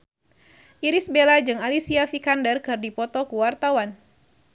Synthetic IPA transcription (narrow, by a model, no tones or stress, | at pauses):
ʔiɾisbelad͡ʒɨŋalisiafikandərkɨrdipɔt̪ɔkuwart̪awan